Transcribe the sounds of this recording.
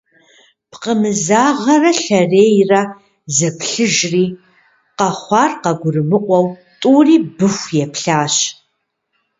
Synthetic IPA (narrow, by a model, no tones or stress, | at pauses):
pqəmɨzaːʁɐrɐɬɐreːjrɐ | zɐpʰɬɨʒriː | qɐχʷɑːrqɐɡʷʊrɨmɨqʷʼɔwtʼuːriːbɨxʷjɛpʰɬaːɕ